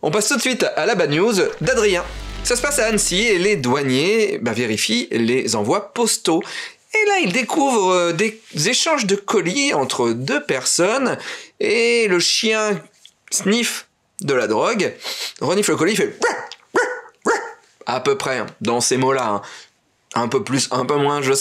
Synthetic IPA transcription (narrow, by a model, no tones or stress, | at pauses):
ɔ̃past̪ut̪sɥit̪alabanjuzd̪ad̪ʁijɛ̃sasəpasaːnsieled̪waɲebaveʁifilezɑ̃vwapɔst̪o | elaild̪ekʰuvʁəd̪ezeʃɑ̃ʒd̪əkɔliɑ̃t̪χəd̪øpɛʁsɔneləʃjɛ̃ | snif | d̪əlad̪ʁɔɡʁɔnifləkɔlifɛ | apøpχɛ̃d̪ɑ̃semolaɛ̰̃ | ɛ̃pøplysɛ̃pømwɛ̃ʒə